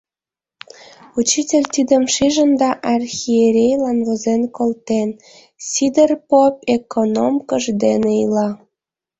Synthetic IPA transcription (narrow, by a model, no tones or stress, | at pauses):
ut͡ɕitʲelʲt̪id̪əmʃiʒə̆nd̪ɑʔɑrxʲieɾʲejlɑnβozenkolt̪en | sʲid̪erpopekonomkəʒd̪enelɑ